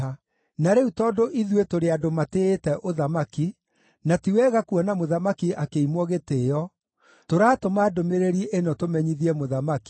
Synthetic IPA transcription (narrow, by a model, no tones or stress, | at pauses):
naɾeutɔːdoʔiðwetoɾeadomateːtɛʔoðamaki | natiwɛɣakuɔnamoðamakiʔakeimwɔɣeteːjɔ | toɾaːtomaːdomeɾeɾiʔenɔtomɛɲiðiɛmoðamaki̥